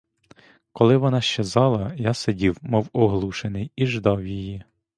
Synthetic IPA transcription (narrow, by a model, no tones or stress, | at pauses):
kɔlˠɪʋɔnɑʃt͡ʃezɑlˠɐjasedʲiwmɔwɔɦlˠuʃenɪjiʒd̪ɑwjiji